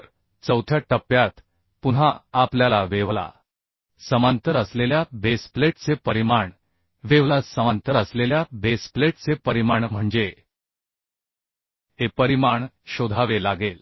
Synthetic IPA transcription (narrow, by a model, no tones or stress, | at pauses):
ɾ | t͡səwt̪ʰjaʈəpjat̪ | puɽɦaapljalaʋeʋla̰ | səmant̪əɾəsleljabespleʈt͡sepəɾimaɳ | ʋeʋlasəmant̪əɾəsleljabespleʈt͡sepəɾimaɳm̤əɳd͡ze | hepəɾimaɳɕod̪ʱaʋelaɡel